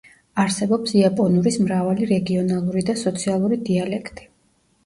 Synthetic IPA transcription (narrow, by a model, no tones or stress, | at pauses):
aɾsɛbɔpsiapʼɔnuɾismɾavaliɾɛɡiɔnalˠuɾid̪asɔt̪sʰialˠuɾid̪ialɛkʰt̪ʼi̥